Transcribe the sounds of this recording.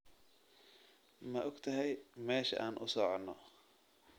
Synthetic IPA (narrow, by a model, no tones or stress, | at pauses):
mɐʔɔɡt̪ʰɐɦɛjmɛːʃɐ̰ʔaːnʔʊ̰sɔʕɔnːɔ